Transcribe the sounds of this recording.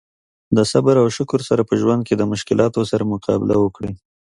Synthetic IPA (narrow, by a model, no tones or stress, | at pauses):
d̪əsabaɾawʃʊkʊɾsaɾapəʒwand̪̚ked̪əmʊʃkɪlʔɑt̪osaɾamʊqʰɑbɪlawəkɽi